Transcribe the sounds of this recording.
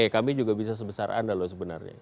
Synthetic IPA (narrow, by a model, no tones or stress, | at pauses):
ekamid͡ʒuɡabis̬as̬əbəsarʔa̰ndalos̬əbənarɲa̰